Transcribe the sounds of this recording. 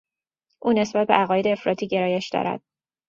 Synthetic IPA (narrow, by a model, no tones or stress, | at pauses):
ʔuːne̞sbæt̪̚be̞ʔæɣɒːjeeːfɾɒːt̪ʰiːɟe̞ɾɒːje̞ʃd̪ɒ̰ːɾæ̰d̪̥̚